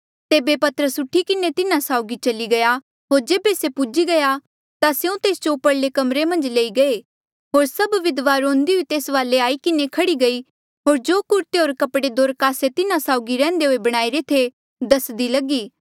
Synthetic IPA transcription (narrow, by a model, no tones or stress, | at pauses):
t̪eːbepɐt̪əɾəsʊʈʰikɪnet̪ɪnãsaːʊɡit͡ʃɐliɡɐja | ɦoːɾd͡ʒeːbesepʊd͡ʒiɡɐja | t̪aseũt̪eːsd͡ʒopɐɽlekɐmɾemɐ̃nd͡ʒleːiɡɐe | ɦoːɾsɐbʋɪd̪ʋaːɾõːnd̪iɦoit̪eːsʋaːleaːikɪnekʰɐɽiɡɐi | ɦoːɾd͡ʒoːkʊɾt̪eɦoːɾkɐpɽed̪oːɾkaːset̪ɪnãsaːʊɡiɾɛ̃ːn̆d̪eɦoːebɐɽ̃aːiɾet̪ʰe | d̪ɐsd̪ilɐɡiː